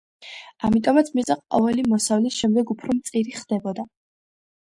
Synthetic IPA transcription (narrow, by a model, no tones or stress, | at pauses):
amit̪ʼɔmat̪sʰmit̪sʼɛχʼqʼɔvɛlimɔsavlisʃɛmd̪ɛɡupʰɾɔmt̪sʼiɾiχd̪ɛbɔd̪a